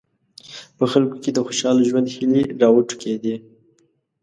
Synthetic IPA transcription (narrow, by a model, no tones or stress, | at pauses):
pəxalkoked̪əxoʃɑlʒwand̪xəliɾɑwəʈu̥ked̪i